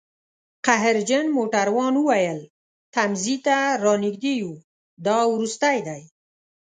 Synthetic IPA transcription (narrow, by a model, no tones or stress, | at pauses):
qaɦɪɾd͡ʒənmoʈaɾwɑnuwajəl | t̪amzit̪aɾɑnɪɡd̪eju | d̪ɑwɾust̪ajd̪aj